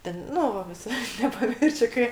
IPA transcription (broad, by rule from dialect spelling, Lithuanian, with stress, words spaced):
ˈtʲɛn ˈnʊ ʋɐ ʋʲɪˈsɐɪ nʲɛpɐˈmʲɪrʲʃʲʊ ˈkɐɪ